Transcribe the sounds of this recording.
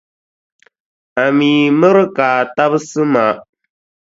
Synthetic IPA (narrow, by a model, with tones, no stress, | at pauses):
a˨miː˨mɨ˦ɾɨ˦kaː˨ta˦bɨ˦sɨ˦ma˨